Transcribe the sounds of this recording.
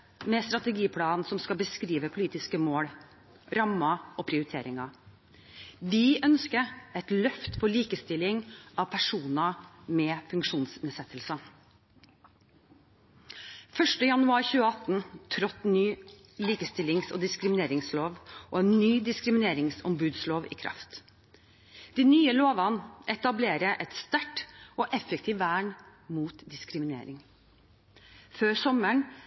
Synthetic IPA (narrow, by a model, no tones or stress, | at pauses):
mɛst̪ɾɑt̪əɡiːpʰlɑːnnsɔmskɑlbəskɾiːʋəpʰʊliːt̪ɪskəmoːɽ | ɾɑmːɑɔpʰɾɪʊɾɪt̪ʰeːɾɪŋɑ | ʋɪʔœnskəɛt̪lœft̪fɔɭiːkəst̪ɪlɪŋʔɑʋpʰæʂuːnɑmɛfʉŋkʂuːnsnɛsɛt̪ʰːəlsə | fœʂʈəjɑnʉɑːɾçʉːəɑt̪n̩t̪ʰɾɔt̪nyː | liːkəst̪ɪlɪŋso̰ːd̪ɪskɾɪmɪneːɾɪŋsloːʋʔɔɛːnːyːd̪ɪskɾɪmɪneːɾɪŋsɔ̰mbʉːd̪sloːʋḭːkʰɾʔɑ̰ft̪ | d̪̥iːnyːəloːʋɑnʔɛt̪ɑbleːɾəʔɛt̪st̪æʈoːʔɛfɛkt̪ʰiːʋæːɳ | muːt̪d̪ɪskɾɪmɪnḛːɾɪŋ | føːɾsɔməɳ